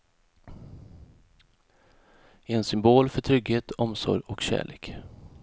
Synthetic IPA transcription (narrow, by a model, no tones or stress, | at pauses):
ɛɛnsʏmboːlfœʈʰɾʏɡheːt̪ɔmsɔ̰ɾjɔkɕæ̰ːɭeːk